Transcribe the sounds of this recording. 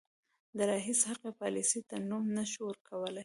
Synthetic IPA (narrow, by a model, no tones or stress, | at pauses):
d̪əɾɑɦishaqepɑlisit̪anumnaʃuəɾkʰawəlaj